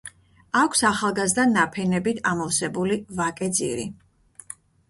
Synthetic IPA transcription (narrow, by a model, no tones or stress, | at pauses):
akʷʰsaχalˠɡazd̪anːapʰɛnɛbit̪ʰamɔvsɛbulivakʼɛd̪zḭɾḭ